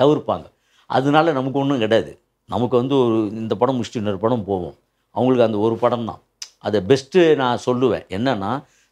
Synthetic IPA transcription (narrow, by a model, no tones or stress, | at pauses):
t̪ɐʋɪɾpːa̰ːŋɡɐ | ʔɐ̰ðɯnaːlɐnɐmɐk̬ːɯɔɳːɯ̃kɪɽɐjaːðɯ̰ | nɐmɐkːɯʋɐnd̪ɯɔɾɯɪnd̪ɐpɐɽɐ̃mɪʂʈinɐɾɯpɐɽɐ̃mpoːʋõ̰ː | ɐ̰ʋɐŋɡɐɭɯkːɯɐnd̪ɐɔɾɯpɐɽɐmt̪ã̰ː | ʔɐðɐbɛsʈɯnãːsɔlːɯʋḛ̃ːɛnːɐnːaː